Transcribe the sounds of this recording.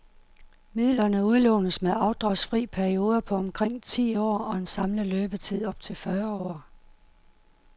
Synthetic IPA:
mið̰ˠlɐnəuð̞ˠlɔːnəðsmeɑ̈ʊd̥ʁɑ̈sfʁḭːpʰæɐio̝ːð̞ˠɐpʰɒ̽ɒmkʰʁeŋ̰t͡sʰḭːɒ̰ːɒ̽ensɑ̈mləløːb̥ət͡sʰið̞̰ˠɒ̽b̥̚t͡sʰe̝lfɶɐɒ̰ː

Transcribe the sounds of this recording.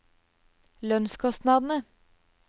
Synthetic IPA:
lœnskʰɔst̪nɑd̪n̩ə

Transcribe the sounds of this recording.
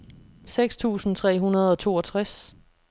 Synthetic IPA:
seɡ̥st͡sʰṵːsn̩t͡sʰʁɛ̰ːɦunɐð̞ˠɒ̽t͡sʰo̝ːɒt͡sʰʁas

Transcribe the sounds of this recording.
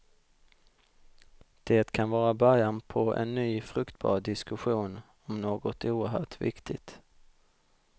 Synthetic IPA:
d̪̥eːt̪kʰanvɑːɾabœɾjanpʰɔʔɛ̰nːyːfɾɵkt̪bɑ̰ːɾɖɪskɵɧuːn | ɔmnoːɡɔt̪uːəɾɦœ̰ːʈvɪ̰kt̪ʰɪɡt̪

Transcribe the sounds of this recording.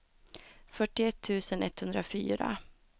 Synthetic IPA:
fœʈːɪɛt̪ʰːʉ̟ːsənɛt̪ːhɵnd̪ɾafy̰ːɾa̰

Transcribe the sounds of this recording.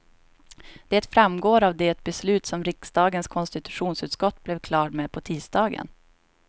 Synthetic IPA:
d̪̥ɛːt̪fɾamɡoːɾavd̪ɛɛt̪̚bɛslʉ̟ːt̪sɔmɾɪksd̪ɑːɡənskʰɔnst̪ɪt̪ɵ̥ɧuːnsʉ̟ːt̪skɔt̪ːblɛvkʰlɑːʈmepʰɔt̪ʰiːsd̪ɑːɡə̰n

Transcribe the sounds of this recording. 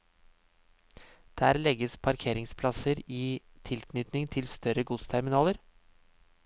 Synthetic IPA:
d̪̥æːɾlɛɡəspʰɑɾkʰeːɾɪŋspʰlɑsəɾiː | t̪ʰɪlkʰnʏt̪nɪŋt̪ʰɪlst̪œɾəɡʊt̪st̪ʰæɾmɪnɑːləɾ

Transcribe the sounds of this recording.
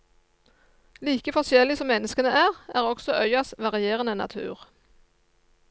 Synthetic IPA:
liːkəfɔsjɛlɪsɔmːɛnəskənəʔæːʁæːʁɔɡsɔʔœʏɑsʋɑʁɪjeːʁənənɑ̰t̪ʰʉ̰ːʁ

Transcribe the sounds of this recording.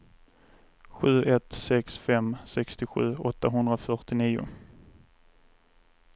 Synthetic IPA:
ɧʉ̟ːʔɛt̪sɛksfɛmsɛkst̪ɪɧʉ̟̰ːɔt̪ːaɦɵnd̪ɾafœʈɪniːʊ̰

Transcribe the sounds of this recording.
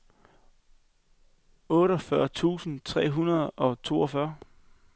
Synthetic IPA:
ɔ̽ːɾɒfɶɐt͡sʰṵːsn̩t͡sʰʁɛ̰ːɦunɐðˠɒ̽t͡sʰo̝̰ːɒ̽fɶɐ

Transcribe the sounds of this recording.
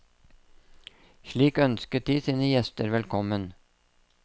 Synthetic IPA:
ʃɭiːkœnskət̪̚d̪iːsiːnəjɛst̪əɾʋɛlkʰɔmən

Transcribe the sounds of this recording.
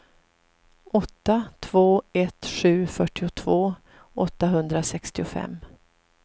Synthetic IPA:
ʔɔt̪ːat̪ʰv̥oːɛt̪ɧʉ̟ːfœʈːɪʊt̪ʰvoː | ɔt̪ːaɦɵnd̪ɾasɛkst̪ɪʊfɛ̰mː

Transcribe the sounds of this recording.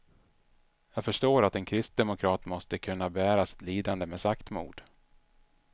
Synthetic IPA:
jɑːɡfœʂʈoːɾat̪ɛnkʰɾɪst̪̚d̪ɛmʊkʰɾɑːt̪mɔst̪əkʰɵnːabɛæːɾasɪ̥t̪liːd̪and̪əmesakt̪mṵːd̪

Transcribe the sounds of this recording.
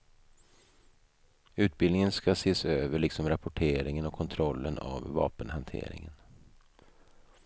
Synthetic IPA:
ʉ̟ːt̪̚bɪlnɪŋənskaseːsøːvəɭɪksɔmɾapʊʈʰeːɾɪŋənɔkʰɔnt̪ʰɾɔlːəna̰vːɑ̰ːpənhant̪ʰḛːɾɪ̰ŋən

